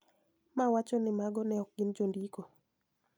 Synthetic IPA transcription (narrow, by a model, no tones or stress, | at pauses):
mawat͡ʃɔnɪmaɡɔnɛɔk̚ɡɪnd͡ʒondiko